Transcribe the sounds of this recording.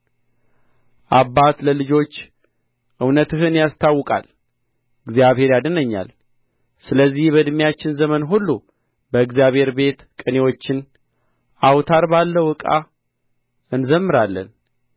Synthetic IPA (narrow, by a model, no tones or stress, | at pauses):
ʔabːat̪ləlɨd͡ʒo̞t͡ʃː | ʔɨwnət̪ɨhɨnjast̪ʰawːɨkʼa̰l | ɨɡzijaβhe̞ɾjad̪ənəɲːa̰l | sɨləzːihbəd̪mijat͡ʃːɪnzəmənɦulːu | bəɨɡzijaβhe̞ɾbe̞t̪kʼɨne̞wo̞t͡ʃːɪn | ʔawt̪ʰaɾbalːəwɨkʼa̰ | ɨnzəmːɨɾalːə̰n